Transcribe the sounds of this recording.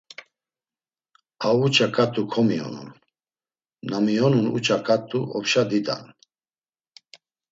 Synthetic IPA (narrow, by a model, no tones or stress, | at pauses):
aut͡ʃʼakʼat̪ʼukʰɔmiɔ̰nṵn | amiɔnunṵt͡ʃʼakʼat̪ʼuʔɔpʃad̪id̪a̰n